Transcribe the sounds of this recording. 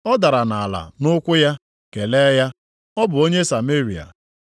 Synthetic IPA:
ɔ˦da˨ɾa˨na˨a˨la̰˨nʊ˦kʷʊ˦ja˦ | ke˨le˦ja˦ | ɔ˦bʊ˨o˦ɲe˦sa˨me˦ɾi˨a̰˨

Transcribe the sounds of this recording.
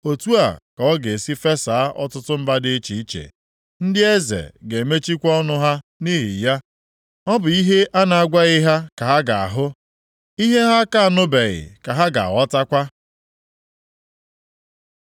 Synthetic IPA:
o˨tu˦a̰˨ka˨ɔ˦ɡe˨si˦fe˦sa˨a˦ʔɔ̰˦tʊ˦tʊ˦m̩˦ba˦dɪ˦t͡ʃi˨i˦t͡ʃḛ˨ | n̩˦dɪ˦e˦zḛ˨ɡe˨me˦t͡ʃi˦kʷɔ˦nʊ˦ɦa˦ni˦ɦḭ˨ja˦ | ɔ˦bʊ˨i˦ɦe˦ʔa˦na˨a˨ɡʷa˦ɣɪ˦ɦa˦ka˨ɦa˦ɡa˨a̰˨ɦʊ˦ | i˦ɦe˦ɦa˦ka˦a˨nʊ˦be˨ɣɪ̰˨ka˨ɦa˦ɡa̰˨a̰˨ɣɔ˦ta˦kʷa˦

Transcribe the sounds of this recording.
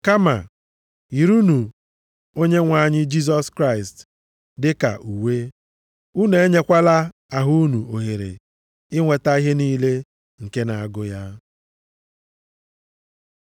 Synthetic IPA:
ka˦ma̰˨ | i˨ɾu˦nu˨ | o˦ɲe˦ŋʷa˨ɲɪ˦d͡ʒi˦s̬ɔ˦skɾa˦˨ɪ˨st | dɪ˦ka̰˨ʔu˨we˦ | u˦ne˨e˦ɲe˦kʷa˦la˦ | a˨ɦu˦u˦nu˨o˨ɦe˨ɾḛ˨ | ɪ˦ŋʷe˨ta˦i˦ɦe˦niː˦le˦ | ŋ̩˨ke˦na˨a˨ɡʊ˦ja˦

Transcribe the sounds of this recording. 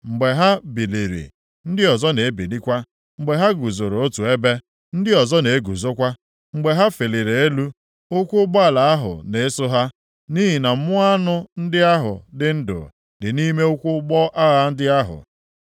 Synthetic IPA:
ŋ͡m̩˨ɡ͡be˨ɦa˦bi˨li˨ɾḭ˨ | n̩˦dɪ˦ɔ˨zɔ˦ne˨e˦bi˨li˦kʷa˦ | ŋ͡m̩˨ɡ͡be˨ɦa˦ɡu˨zʊ˨ɾo˨o˦tu˨e˦be˦ | n̩˦dɪ˦ɔ˨zɔ˦ne˨˦ɡu˨zo˦kʷa˦ | ŋ͡m̩˨ɡ͡be˨ɦa˦fe˨le˨ɾe˨e˦lu˦ | ʊ˦kʷʊ˦ɡ͡bɔ˦a˨la˨a˦ɦʊ̰˨ne˨e˦sʊ˦ɦa˦ | ni˦ɦi˨na˨m̩˦mʊ˦a˦nʊ˦n̩˦dɪ˦a˦ɦʊ̰˨dɪ˦n̩˦dʊ̰˨ | dɪ˨ni˦me˦ʊ˦kʷʊ˦ɡ͡bɔ˦ʔa˦ɣa˦n̩˦dɪ˦a˦ɦʊ̰˨

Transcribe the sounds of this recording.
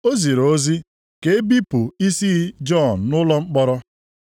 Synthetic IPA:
o˦zi˨ɾo˨o˦zi˦ | ke˨e˦bi˦pʊ˨i˦si˦d͡ʒɔ˦˨n̩˨nʊ˦lɔ˦ŋ͡m̩˦k͡pɔ˦ɾɔ˦

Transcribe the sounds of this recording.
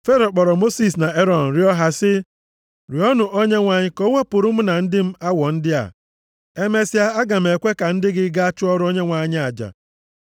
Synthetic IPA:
fe˦ɾɔ˨k͡pɔ˨ɾɔ˨mo˦si˨sna˨e˦ɾɔ˨n̩˨ɾɪ˦ɔ˦ɦa˦sɪ˦ | ɾɪ˨˦ɔ˦nʊ˨ʔo˦ɲe˦ŋʷa˨ɲɪ˦ko˦ŋe˦pʊ˨ɾʊ˦m̩˦na˨n̩˦dɪ˦m̩˦a˦wɔ˨n̩˦dɪ˦a̰˨ | e˦me˦si˦a˦a˦ɡa˨m̩˨e˨kʷe˦ka˨n̩˦dɪ˦ɡɪ˦ɡa˦a˦t͡ʃʊ˦ɔ˦ɾʊ˦o˦ɲe˦ŋʷa˨˦ɲɪ˦a˨d͡ʒa̰˨

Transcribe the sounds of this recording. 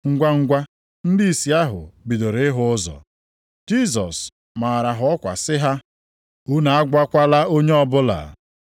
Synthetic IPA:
ŋ̩˦ɡʷa˦ŋ̩˦ɡʷa˦ | n̩˦dɪ˦i˨si˨a˦ɦʊ̰˨bi˨do˨ɾe˦ɦʊ˦ʊ˦zɔ̰˨ | d͡ʒi˦zɔ̰˨s | ma˨ɾa˨ɦʊ˨˦ɔ˦kʷa̰˨sɪ˦ɦa˦ | u˦na˨a˦ɡʷa˦kʷa˦la˦o˦ɲe˦ɔ˦bʊ˦la̰˨

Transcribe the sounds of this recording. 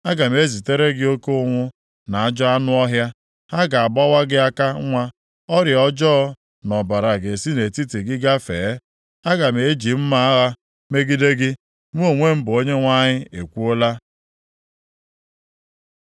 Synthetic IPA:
a˦ɡa˨m˦e˦zi˨te˦ɾe˦ɡɪ˦o˦ko˦ŋʷʊ˦ | na˨a˦d͡ʒɔ˦a˦nʊ˦ɔ˦ɦja˦ | ha˦ɡa˨a˨bɔ˦wa˦ɡɪ˦a˦ka˦ŋʷa˦ | ɔ˦ɾjɔ˦d͡ʒɔ˦ | nɔ˨ba˨ɾa˨ɡe˨si˦ne˨ti˦te˨ɡɪ˦ɡa˦fḛ˨˦ | a˦ɡa˨m˨e˨˦d͡ʒi˨m̩˦ma˦a˦ɣa˦ | me˦ɡi˦de˦ɡɪ˦ | m˦o˦˨ŋʷe˦m̩˦bʊ˨o˦ɲe˦ŋʷa˦ɲɪ˦e˨kʷu˦o˦la˦

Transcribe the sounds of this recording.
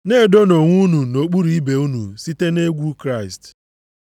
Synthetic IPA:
ne˦˨do˦no˨ŋʷu˦nu˨no˨k͡pu˦ɾi˦˨i˦be˨u˦nṵ˨si˦te˦ne˦ɡʷu˦kɾa˦˨ɪ˨st

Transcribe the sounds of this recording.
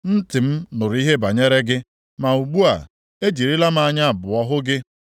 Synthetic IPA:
n̩˦tɪ˨m̩˦nʊ˨ɾi˦ɦe˦ba˨ɲe˦ɾe˦ɡɪ˦ | ma˨u˨ɡ͡bu˦a̰˨ | e˦d͡ʒi˨ɾi˦la˦m˦a˨ɲa˦˨bʊ˨ɔ˦ɦʊ˦ɡɪ˦

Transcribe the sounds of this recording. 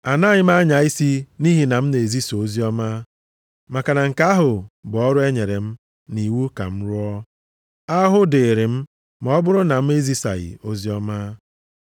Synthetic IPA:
a˨na˦ɲɪ˦m˦a˦ɲa˨i˦si˦ni˦ɦi˨na˨m̩˦ne˨e˨zi˦so˨o˦zi˦ɔ˦ma˦ | ma˨ka˨na˨ŋ̩˨ka˦ɦʊ˨bʊ˨ɔ˦ɾʊ˦e˦ɲe˨ɾe˨m̩˦ | ni˨wu˦ka̰˨m̩˦ɾʊ˦ɔ˦ | a˦ɦʊ˦de˨ɾe˨m̩˦ | m˦ɔ˦bʊ˦ɾʊ˦na˨m̩˦e˦zi˦sa̰˨ɣɪ̰˨o˦zi˦ɔ˦ma˦

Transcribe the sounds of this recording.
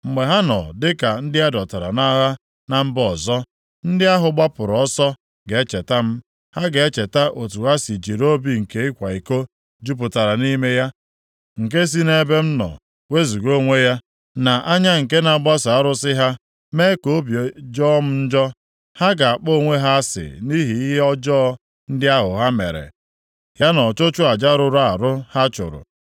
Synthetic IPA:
ŋ͡m̩˨ɡ͡be˨ɦa˦nɔ̰˨dɪ˦ka˨n̩˦dɪ˦a˦dɔ˨ta˨ɾa̰˨na˦ɦa˦ | na˨m̩˦bɔ˨zɔ˦ | n̩˦dɪ˦a˦ɦʊ˨ɡ͡ba˦pʊ˨ɾɔ˦sɔ˦ | ɡe˨e˦t͡ʃe˨ta˦m̩˦ | ha˦ɡe˨e˦t͡ʃe˨ta˦ʔo˨tu˨ɣa˦si˨d͡ʒi˨ɾo˦bi˨ŋ̩˨ke˨˦ɪ˦kʷa˨i˨ko˦ | d͡ʒu˦p̬ʊ˨ta˨ɾa˨ni˦me˦ja˦ | ŋ̩˨k̬e˦s̬i˦ne˦be˦m̩˦nɔ̰˨ | we˦zu˨ɡo˦ŋʷe˦ja˦ | na˨ʔa˦ɲa˦ŋ̩˨ke˦na˨ɡ͡ba˦sa˨a˦ɾʊ˦sɪ˦ɦa˦ | me˦ko˦bi˨d͡ʒɔ˦m̩˦n̩˦d͡ʒɔ˦ | ha˦ɡa˨a˨k͡po˦˨ŋʷe˦ɦa˦sɪ̰˨ni˦ɦi˨i˦ɦe˦ɔ˦d͡ʒɔː˦ | n̩˦dɪ˦a˦ɦʊ˨ɦa˦mḛ˨ɾḛ˨ | ja˦nɔ˨t͡ʃo˦t͡ʃʊ˦a˨d͡ʒa˦ɾʊ˨ɾa˦a˨ɾʊ˦ha˦t͡ʃʊ̰˨ɾʊ̰˨

